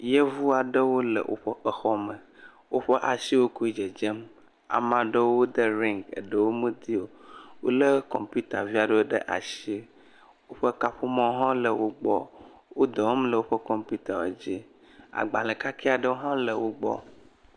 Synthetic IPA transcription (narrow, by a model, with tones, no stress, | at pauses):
je˦vu˦a˨ɖə˦wo˦lə̰˨wʔo̰˦ɸə˦ə˨xɔ˦mə˨ | wo˦ɸə˦ʔa˨si˦wo˦ku˦i˦d͡ʒe˨d͡ʒe˦m | a̰˨mã˨ɖə˦wo˦d̪ə˦ɾĩ˦˨ŋɡə̰˨ɖə˦wo˦mũ˦t̪i˦o˨wo̰˦lə˦kɔ̰˨mpu˦t̪a˨vi˦a˨ɖə˦wo˦ɖə̰˦ʔa̰˨si˦e˦ | wo˦ɸə˦ka˦ɸu˦mɔ̃˦ɦã˦lə˨wo˦ɡ͡bɔ̰˦ | wo˦d̪ɔ˨˦mlə˨wo˦ɸə˦kɔ˨mpu˦t̪a˨wḛ˨d͡ʒi˦ | a̰˨ɡ͡ba˨lə˨ka˦kʰe˦a˨ɖə˦wo˦ɦã˦lə˨wo˦ɡ͡bɔ̰˦